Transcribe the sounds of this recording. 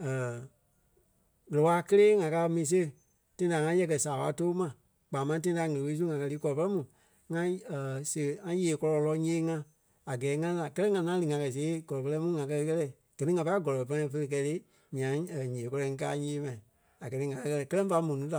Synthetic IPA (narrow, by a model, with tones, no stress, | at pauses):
əː˨ | ɣə˨ə˨waː˨˦kə˦leː˦ŋã˨kaː˧mĩː˨˧s̬e˦˨ | tẽ˧ĩ˦˧da˨ŋã˧˦jɛ˧k̬ɜ˨saː˨wa˧˦to˦mã˨ | k͡paː˨mã˧˦t̬ẽ˦ĩ˦˧a˧˦ŋə̃˨we˧˨˦s̬u˦ŋã˨˧kɜ˧liː˨˦kɔ˨lɔ˨pə˦lɛ˦mũ˨ | ŋã˧˨se˨ŋã˧˦jeː˨kɔ˧lɔ˧lɔ˧˦ɲẽː˦ŋã˧ | a˨ɡɛː˨˦ŋã˧la˨kɜ˦lɛ˦ŋã˧ŋã˦lɨ˧˨ŋã˧kɜ˧˨s̬eː˨˦ɡɔ˨lɔ˨plɛ˧˦mũ˦ŋã˨kɜ˧kɛ˦lɛ˦˨ | ɡ̥əɜ˨nĩ˦ŋã˨˧pa˧˦ɡɔ˨lɔ˨pa˧˦ã˧˨˧fə˧ə˧k̬ɛ˧le˦ | ɲã˨˦˨ɲẽː˨kɔ˧lɔ˧ŋ̩˦k̬aː˦ɲẽː˦mã˨ĩ˨ | a˨ɡɜ˨nĩ˦ŋã˨kɜ˧kɜ˧lɛ˧˨kɜ˦lɛ˦fa˧˦mũ˨nũ˨˦ta˨